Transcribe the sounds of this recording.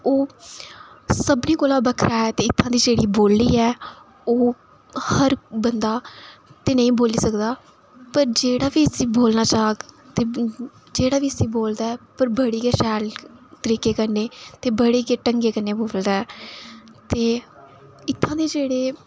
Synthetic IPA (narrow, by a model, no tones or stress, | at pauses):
oː | səbniːkoːlaːbəkʰɾaːɛːt̪eːɪt̪ʰːãːd̪iːd͡ʒeːɽiːboːlːiːɛː | oː | həɾbənd̪aːt̪eːnəĩːboːliːsəkd̪aː | pəɾd͡ʒeːɽaːʋiːəsĩːboːlnaːt͡ʃaːɡt̪eː | d͡ʒeːɽaːʋiːəsĩːboːld̪aːɛːpəɾbəɽiːkeːʃɛːlt̪əɾiːkeːkəɾneːt̪eːbəɽeːkeːʈəŋɡeːkəɾneːboːld̪aːɛː | t̪eː | ɪt̪ʰːãːd̪iːd͡ʒeːɽeː